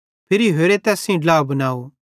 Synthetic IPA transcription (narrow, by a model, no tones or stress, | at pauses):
pʰɪɾiɦeːɾet̪ɛːsĩɖlaːbɐnaːo